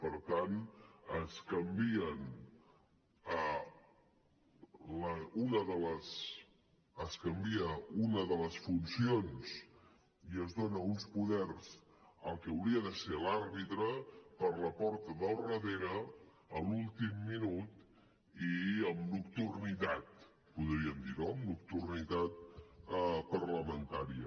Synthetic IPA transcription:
pəɾt̪anəskəmbiən | ə | ləunəðələs | əskəmbiəunəðələsfunsions | iəzðonəunspuðɛɾz̥ | əlˠkəəwɾiəðəselarβit̪ɾəpəɾləpɔɾt̪əðəlˠrəðeɾəː | lulˠt̪imːinut̪ | iəmnukt̪urnit̪at̪̚ | puðɾiəmd̪inomnukt̪urnit̪at̪̚ | pəɾləmənt̪aɾiə

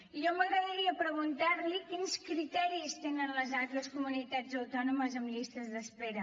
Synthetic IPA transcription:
iʒɔməɣɾəðəɾiəpɾəɣ̞unt̪aɾlikinskɾit̪ɛɾist̪enənləzalt̪ɾəskumunit̪ad͡zəwt̪ɔnuməzəmʎist̪əzðəspeɾə

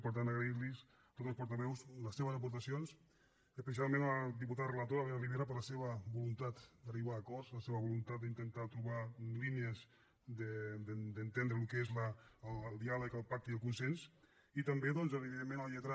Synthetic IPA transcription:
pəɾt̪̬anəɣɾeiɾlis | t̪ot̪əlˠspuɾt̪aβɛwsləsːeβ̞əzəpuɾt̪asions | əspes̬ialˠmẽnəd̪iput̪aðərelat̪oɾaβeəliβeɾap̬əɾləseβəbulunt̪at̪d̪əriβaːkɔɾsləseβəβulunt̪at̪̚d̪int̪ənt̪at̪ɾuβaliniəz | d̪əd̪əd̪ənt̪end̪ɾelukezlːlːlˠd̪ialəkəlˠpak̚t̪iəlˠkunsens | it̪əmbeðɔnzəβiðiðemːẽnəlʎət̪ɾa

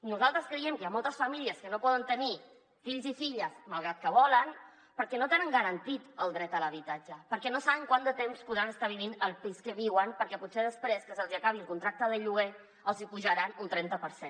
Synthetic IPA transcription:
nuzalˠt̪ɾəskɾəɛmkəjamɔlˠt̪əsfəmiliəskənopɔðənt̪əni | fiʎzifiʎəsməlˠɣɾat̪̚kəβɔlən | pəɾkɛnot̪enəŋɡəɾənt̪it̪əlˠd̪ɾɛt̪ələβ̞it̪ad͡ʒəpəɾkɛnosaβəŋkwand̪ət̪emspuðɾanəst̪aβ̞iβinəlˠpiskəβiwənpəɾkɛput̪seðəspɾeskəsəlˠziəkaβ̞iəlˠkunt̪ɾak̚t̪əðəʎuɣe | əlˠzipuʒəɾanunt̪ɾɛnt̪əpəɾsen

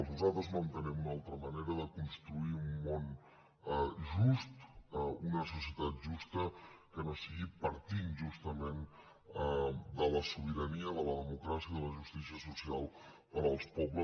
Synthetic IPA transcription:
əznuzalˠt̪ɾəzmənt̪ənɛmunalˠt̪ɾəməneɾəðəkunst̪ɾuiumːon | ʒust̪unəsusjət̪at̪̚ʒust̪əkənosiɣipəɾt̪inʒust̪əmen | d̪ələsuβ̞iɾəniəðələðəmukɾasiəiðələʒust̪isiəsusialˠ | pəɾəlˠspɔβlə

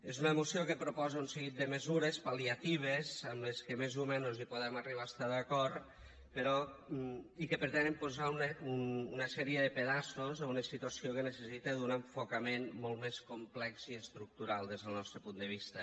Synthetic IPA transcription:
ezunəemusiokəpɾupɔzaunseɣit̪̚d̪əməzuɾespaliat̪iβ̞ezəmleskemezumɛnuzipuðɛmariβ̞aest̪aðakɔɾt̪ | peɾɔ | ikəpəɾt̪ɛnəmpuzaunəunːnəsɛɾiəðəpeðasozaunəsit̪uasiokenəsəsit̪eðunəɱfokamenmɔlˠt̪meskomplɛkziəst̪ɾuk̚t̪uɾalˠd̪ezð̞əlˠnɔst̪ɾəpund̪əβ̞ist̪ə

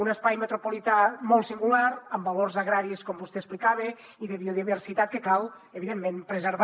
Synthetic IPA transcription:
unəspajmet̪ɾopolit̪amɔlˠt̪siŋɡulaɾəmbaloɾzaɣɾaɾieskombust̪eːsplikaβe | iðeβioðiβeɾsit̪at̪̚kekalˠ | eβiðemːẽmpɾezeɾβ

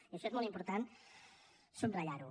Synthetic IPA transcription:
iɐʃɔezmolˠimpuɾt̪an | sumraʎaɾu

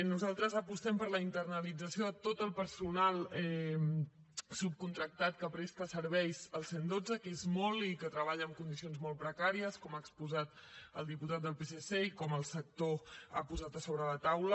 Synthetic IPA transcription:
nuzalˠt̪ɾəzəpust̪ɛmpəɾləint̪ərnəlid͡zəsioət̪ot̪əlˠpəɾsunalˠɛ | sup̚kunt̪ɾək̚t̪at̪kəpɾest̪əsəɾβɛjzəlˠsend̪od͡zəkezmɔlikət̪ɾəβ̞aʎəːmkund̪is̬ionzmɔlˠpɾəkaɾiəskɔmaəkspuzat̪əlˠd̪iput̪at̪̚d̪əlˠpeseseikɔməlˠsək̚t̪oa̰puzat̪əsoβɾələt̪awlə

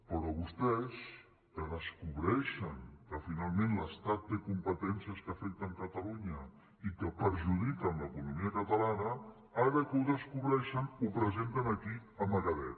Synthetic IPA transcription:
pəɾɔβust̪ɛs | kəðəskuβɾɛʃəŋkəfinalˠmẽnləst̪at̪̚ːekumpət̪ɛnsiəskəfɛk̚t̪əŋkət̪əluɲə | ikəpəɾʒuðikənləkunumiəkət̪əlanə | aɾəkəuðəskuβɾɛʃənupɾəzent̪ənəkiəməɣəðɛt̪

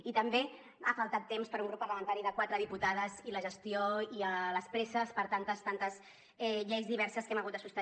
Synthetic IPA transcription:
it̪əmbe | afalˠt̪at̪ːemspəɾuŋɡɾupːəɾləmənt̪aɾiðəkwat̪ɾəðiput̪aðəziləʒəst̪ioiələspɾɛsəspəɾt̪ant̪əst̪ant̪əz | ɛʎejzðiβ̞ɛɾsəskɛmɐɣut̪d̪əsust̪ə

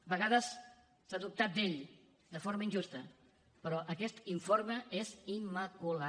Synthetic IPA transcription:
βəɣaðəsː | aðup̚t̪at̪̚d̪eʎ | d̪əfoɾməinʲd͡ʒust̪ə | pəɾɔʔəkɛst̪iɱfoɾməezimːəkula

